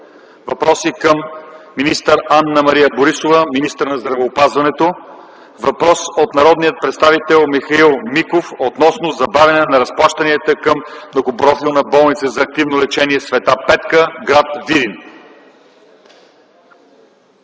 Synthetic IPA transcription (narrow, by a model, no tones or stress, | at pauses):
vɐpɾɔsikəmːinist̪əɾanːəmɐɾijəboɾisovəminist̪əɾnɐzd̪ɾɐvɛopazvɐnɛt̪o | vɐpɾɔsot̪nɐɾɔd̪nijət̪̚pɾɛt̪st̪avit̪ɛlˠmixɐilˠmikofot̪nɔsnozɐbavʲɐnɛnɐɾɐsplˠaʃt̪ɐniət̪əkəmnokobɾɔfilˠnɐbɔlˠnit̪səzɐːk̚t̪ivnolɛt͡ʃɛniɛsvɛt̪apɛt̪kəɡɾat̪vid̪in